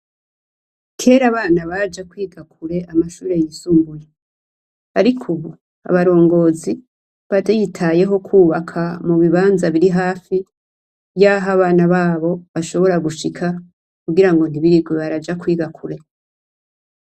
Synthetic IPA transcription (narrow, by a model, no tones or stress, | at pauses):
kʰe̞ːɾaβaːnaβad͡ʒakwiːɡakuɾe̞ʔamaʃuːɾe̞jisuːmbuje | aɾikʰuβu | a̰βaɾo̞ːŋɡo̞ːzi | βatajitʰaje̞ɦo̞kʰuːβakʰamuβiβaːnzaβiɾiɦaːfi | jaɦaβaːnaβaːβo̞βaʃo̞βo̞ɾaɡuʃikʰa | kuɡiɾaŋɡo̞niβiɾiɡweβaɾad͡ʒakwiːɡakʰuɾe̞